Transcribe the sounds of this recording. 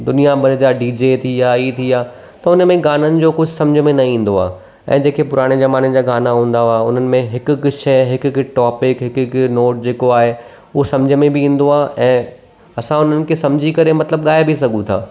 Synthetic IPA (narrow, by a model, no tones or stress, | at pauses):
d̪ʊnijabʱɐɾd͡ʑaɖiːd͡ʑet̪ʰiaːit̪ʰiaː | t̪ɐʊnəmẽɡaːnənɪ̆d͡ʑoːkʊd͡ʑʱʊsɐ̃md͡ʑʱəmẽnɐĩːn̆d̪oa̰ː | ɛ̰̃ːd͡ʑeːkepʊɾaːɽ̃ezɐmaːnẽd͡ʑaːɡaːnaɦũːn̆d̪aaʊn̤ənɪ̆mẽɦɪkʊ̆kʃɛɦɪkkʈɔːpɪkɦɪkknoːʈ̚d͡ʑeːkoaːɦe | ʊɦosɐ̃md͡ʑʱəmẽbʱɪĩːn̆d̪oaːʔɛ̃ː | ɐsãʊn̤ənɪ̆kʰesɐ̃md͡ʑʱikɐɾemɐt̪ləb̚ɠaːebʱisɐɡʱũt̪ʰa̰ː